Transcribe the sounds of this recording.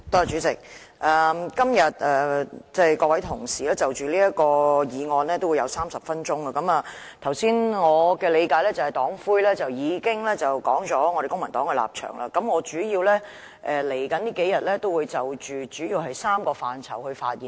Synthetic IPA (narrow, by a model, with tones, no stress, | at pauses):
t̪ɔː˥˨˩t͡ʃyː˨˥t͡sɪ˨˩k̚ | ʔɐː˨˩mkɐ˥mjɐ˨t̚ɛː˨t͡sɛː˥˩jkɔː˧kwɐ˨˥jt̪ʰʊ˨˩ŋsiː˨lɛː˥t͡sɐ˨wt͡ʃyː˨liː˥jɐ˥t̚kɔː˧jiː˨˧ŋɔː˧nlɛː˥t̪o˥wjɐ˨˧wsaː˥msɐ˨p̚fɐ˥nt͡ʃʊ˥ŋəː˨˧kɐ˨˦mɐː˨ | t̪ʰɐ˨˩wsiː˥nŋɔː˨˧kɛː˧le˨˧jkaː˨˧jlɛː˥t͡sɐ˨˩hɐ˨jt̪ɔː˨˥ŋfuː˥jlɛː˥t͡sɐ˨wjiː˨˧kɪ˥ŋlɛː˥t͡sɐ˨wkɔː˨˥ŋt͡sɔː˨˥ŋɔ˧ɾe˨jkʊ˥ŋmɐ˨˩nt̪ɔː˨˥ŋɛ˧la̰ː˨p̚t͡ʃʰœ̰ː˨˩ŋlʔa̰ː˧kɐ˨˥mŋɔː˨˧t͡ʃyː˨˥jiː˧wlɛ˥ | ʔɛː˨˩le˨˩jkɐ˨˥nt̪iː˥ke˨˥jɐ˨t̚lɛː˥t̪o˥wu˨˧jt͡sɐ˨wt͡ʃyː˨˩t͡ʃyː˨˥jiː˧whɐ˨jsaː˥mkɔː˧faː˨nt͡sʰɐ̰˨˩whɵ˧ɥfa̰ː˧t̚jiː˨˩n